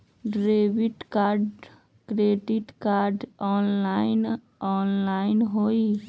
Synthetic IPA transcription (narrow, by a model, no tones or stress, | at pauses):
ɖɾeːʋɪʈkaːɾɖ | kɾeːɖɪʈkaːɾɖɔːnlaːɪn | ɔːnlaːɪnɦoːi